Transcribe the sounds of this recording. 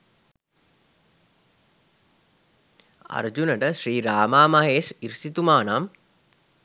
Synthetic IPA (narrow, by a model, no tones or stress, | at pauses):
a̰rd͡ʒunəʈəʃriːɾaːmaːmɐɦeːʂiɾsit̪umaːnam